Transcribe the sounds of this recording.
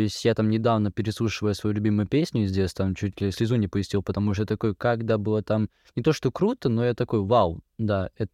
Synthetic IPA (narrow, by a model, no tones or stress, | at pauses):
oɪsʲtʲjat̪amnʲɪd̪avnəpʲɪɾʲɪsˠuʂɨvəjəsvɐjulʲʉbʲimʊjʊpʲesʲnʲʊzʲdʲesʲt̪amt͡ɕutʲlʲɪsʲlʲɪzunʲɪpəɪsʲtʲilˠpət̪ɐmuʂ̬t̪ot̪ɐko̞jkaɡd̪abɨlˠət̪am | nʲɪt̪o̞ʂt̪o̞kɾut̪ənojat̪ɐko̞jvalˠd̪aɛt̪